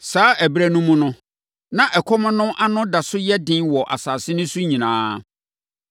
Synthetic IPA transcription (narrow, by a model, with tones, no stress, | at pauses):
saː˨˦ʔæ˨bɾæ˦nũ˦mũ˦nʊ̃˦ | nã˨ʔɛ˨kʰɔ˦mʊ̃˦nʊ̃˦ʔa˦nʊ̃˦da˨sʊ˦jɛ˦dɪ̃˦nwɔ˨ʔa̰˨saː˨sɪ˦nʊ̃˦su˦ɲĩ˨nãː˦